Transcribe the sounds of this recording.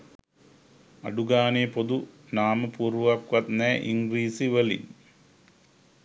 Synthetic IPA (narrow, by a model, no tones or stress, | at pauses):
ɐ̰ɖuɡaːneːpod̪unaːmɐpuːrʋɐkʋɐt̪neːʔḭŋɡriːsiʋelḭn